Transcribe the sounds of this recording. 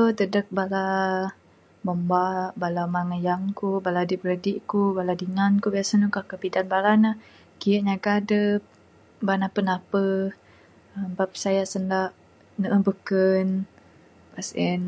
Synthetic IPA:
ot̪ədək̚bala | məmbaʔbalamaŋəjaŋkubaladibəɾədiʔkubaladiŋankubiasanukahkəbidanbalanah | kijəʔɲaɡadə | banapənapə | əmbap̚ə̥sajasəndaʔ | nəʔəbukən | pasən

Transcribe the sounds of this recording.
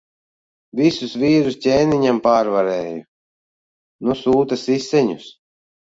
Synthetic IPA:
visusviːɾustʲeːniɲampaːɾvaɾɛːju | nusuːt̪asisːɛɲus

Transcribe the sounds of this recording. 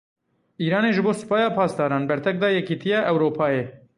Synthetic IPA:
ʔiːɾɑːneːʒɨboːsɨ̥pɑːjɑːpʰɑːsd̪ɑːɾɑːnbɛɾt̪ʰɛk̚d̪ɑːjɛkiːt̪ʰijɛʔɛwɾoːpʰɑːjeː

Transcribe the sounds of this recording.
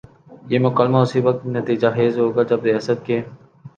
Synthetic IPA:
jeːmʊkəlmaʊsiʋək̚t̪nət̪iːd͡ʒaxeːzɦoːɡad͡ʒɐbɾɪjaːsət̪̚keː

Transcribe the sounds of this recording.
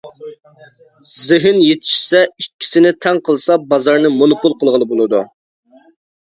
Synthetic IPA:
zɪɦɪnjet̪ʰɪ̥ʃsɛikʲʰːi̥sɪnɪt̪ʰɛŋqʰəlˠsɑbɑzɑɾnɨmonopulˠqʰəlˠʁəlnˠɨbolˠɨd̪u

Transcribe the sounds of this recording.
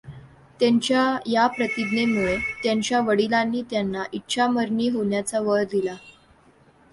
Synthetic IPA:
t̪jaɲt͡ɕjajapɾət̪id̪nemuɭet̪jaɲt͡ɕjaʋəɽilanːiːt̪janːaʔitːɕʰaməɾɳiːɦoɳjat͡saʋəɭd̪ila

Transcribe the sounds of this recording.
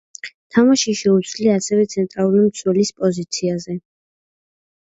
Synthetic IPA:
t̪ʰamaʃiʃɛud̪sʰliaasɛvɛt̪sʰɛnt̪ʼɾalˠuɾimt̪sʰwɛlispʼɔzit̪sʰiazɛ

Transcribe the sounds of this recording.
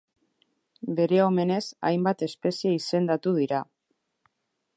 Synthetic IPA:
be̞ɾe̞o̞me̞ne̞sa̰jmbat̪e̞spe̞sieise̞nd̪at̪uð̞iɾa

